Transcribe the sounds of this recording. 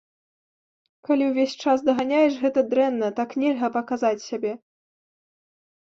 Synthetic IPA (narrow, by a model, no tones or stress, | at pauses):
kalʲiwvʲesʲt͡ʂasd̪ɐɣanʲajɛʂɣɛt̪ɐd̪ɾɛnːɐt̪aknʲɛlʲɣɐpɐkazat͡sʲsʲabʲɛ